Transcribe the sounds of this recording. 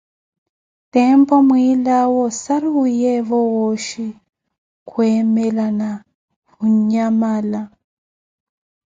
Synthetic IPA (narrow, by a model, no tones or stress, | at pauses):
tɛmpɔmwilawɔsaɾujɛβɔwɔʃi | kʰuɛmɛlana | huɲɲamaːla